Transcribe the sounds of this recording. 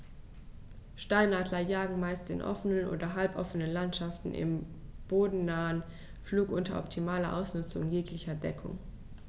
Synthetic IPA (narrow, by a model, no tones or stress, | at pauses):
ʃtaɪnaːdlɐjaːɡŋ̩maɪstɪ̰nʔɔ̰fənənʔo̰ːdɐɦalpʔɔfənənlantʃaftn̩ʔɪ̰m | b̥oːdn̩naːən | fluːkʔʊntɐʔɔptʰimaːlɐʔa̰ʊsnʊt͡sʊŋjeːklɪçɐdɛkʰʊ̰ŋ